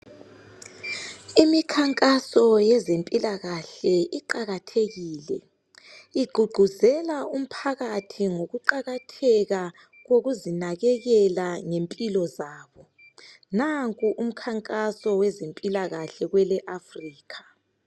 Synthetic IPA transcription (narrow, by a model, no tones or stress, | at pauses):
imikʰaŋkʼasɔjɛzempʼilaɣaɬɛʔiǃaɣatʰeɣiːlɛ̰ | iɡ͡ǃʱuɡ͡ǃʱuzɛlaum̩pʰaɣatʰiŋoɣuǃaɣatʰɛɣa | ɣoɣuzinaɣɛɣɛlaŋempʼilɔzaːβɔ | naŋkʼuʔum̩kʰaŋkʼasɔwɛzempʼilaɣaɬɛɣwɛlɛʔafriːkʰḁ